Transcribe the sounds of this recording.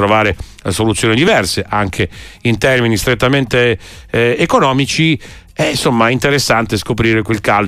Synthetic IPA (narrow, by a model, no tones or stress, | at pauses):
ɾovaːɾe | solut̪sːjoːnid̪ivɛrseʔaŋkʰeint̪ɛrminist̪ɾet̪ːament̪eː | konɔːmit͡ʃi | ɛnsomːaint̪eɾesːant̪eskop̬ɾiːɾekwelkal